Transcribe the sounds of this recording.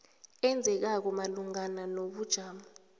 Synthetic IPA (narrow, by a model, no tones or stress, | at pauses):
ɛnd͡zʱɛk̬ak̬ɔmaluŋananoɓud̥ʒ̥ʱaːma